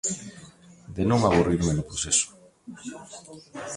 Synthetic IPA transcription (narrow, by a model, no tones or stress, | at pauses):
d̪enõŋaβuriɾmenʊpɾosesʊ̥